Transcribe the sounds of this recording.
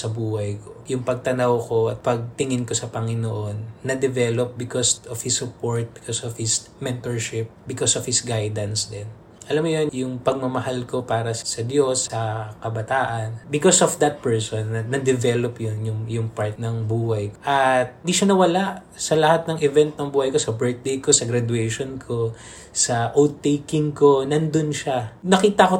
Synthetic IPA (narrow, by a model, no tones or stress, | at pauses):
sɐbuːhɐjkojʊŋpɐɡ̚t̪ɐnɐwko̞ʔɐt̪̚pɐɡ̚t̪ɪŋɪnko̞sɐpɐŋɪnoʔonːɐd̪ɛvɛlop̚bɪkosɔfhɪsʊpoɹt̪̚bɪkosofhɪs | mɛnt̪oɹʃɪp̚bɪkosɔfhɪsɡajd̪ɐnsd̪ɛn | ʔɐlamːojonjʊŋpɐɡ̚mɐmɐhalko̞paːɾɐssɐd̪jo̞sɐkɐbɐt̪aːʔɐnbɪkosɔfd̪ɐt̪̚pɛɹsonːɐːɐd̪ɛvɛlopjonjʊŋjʊŋpaɹt̪̚nɐŋbuːhɐjkʔɐt̪ɪnd̪iʃɐnɐwɐlaʔ | sɐlɐhat̪̚nɐŋɛvɛnt̪nɐŋbuːhɐjko̞sɐbɛɹt̪̚d̪ejko̞sɐɡɾad̪wɛjʃonkʰo̞ | sɐʔot̪̚t̪ːejkɪŋko̞nɐnd̪onʃanɐkiːt̪ɐko